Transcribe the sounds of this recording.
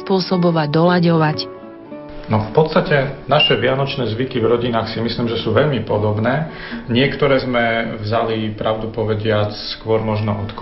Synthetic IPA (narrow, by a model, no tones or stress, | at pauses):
spʊɔsɔbɔʋad̪ɔlaɟɔʋac | nɔfpɔt̪st̪acɛnaʃɛʋɪanɔt͡ʃnɛːzʋikivɾɔɟinaːxsimisliːmʒɛsuːʋɛʎmipɔd̪ɔbnɛː | ɲɪɛkt̪ɔɾɛːzmɛvzalipɾaʊd̪upɔʋɛɟɪat͡sskʊɔɾmɔʒnɔʔɔt̪k